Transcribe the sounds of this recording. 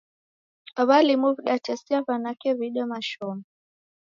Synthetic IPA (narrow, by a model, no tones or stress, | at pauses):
aβalimuvɗatasiaβanakɛβiɗɔmaʃɔmɔ